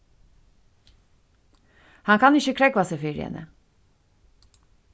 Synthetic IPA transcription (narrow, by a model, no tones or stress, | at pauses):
haŋkʰaniʃikʰɾɛkvasefeɾḭa̰nɛ̰